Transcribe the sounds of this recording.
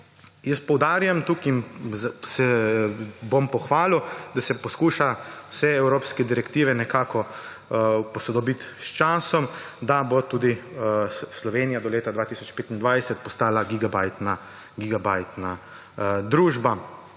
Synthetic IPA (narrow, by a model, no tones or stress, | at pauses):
jɛst̪pɔwd̪aːɾjamt̪ukinzsɛ | bompɔxʋaːlud̪asɛpɔskuːʃawsɛɛwɾoːpskɛd̪iɾɛkt̪iːʋɛnɛkaːkɔ | pɔsɔd̪ɔbit̪st͡ʃaːsɔm | d̪abot̪uːd̪i | slɔʋeːnijad̪ɔleːt̪ad̪ʋaːt̪iːsɔt͡ʃpeːt̪ind̪ʋajsɛt̪̚pɔst̪aːlaɡiɡabajt̪na | ɡiɡabajt̪na | d̪ɾuːʒba